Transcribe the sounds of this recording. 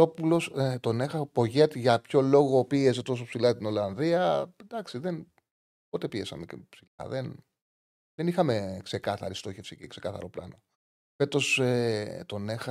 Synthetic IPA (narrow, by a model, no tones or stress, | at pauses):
o̞pulo̞st̪o̞nexɐpo̞ʝe̞t̪ʝɐpço̞lo̞ɣopiezðet̪o̞s̬opsilɐt̪ino̞lɐnðiɐd̪ɐksiðen | pot̪e̞piesɐmecepsilɐ̰ðen | ðenixɐmekse̞kɐθɐ̰ɾist̪o̞çefsicekse̞kɐθɐ̰ɾo̞plɐ̰no̞ | fe̞t̪o̞set̪o̞ne̞xɐ